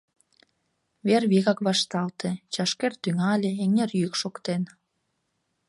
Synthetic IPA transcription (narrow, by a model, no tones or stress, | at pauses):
βerβiɣɑkβɑʃt̪ɑlt̪ʰet͡ɕɑʃkert̪yŋɑlʲeeŋerjykʃokt̪en